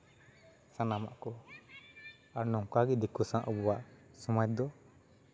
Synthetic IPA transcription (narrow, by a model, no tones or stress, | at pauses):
sanama̰ʔkɔ | aɾnɔŋkaɡɛd̪ikɔsãʔɔbɔwaʔsɔmajd̪ɔ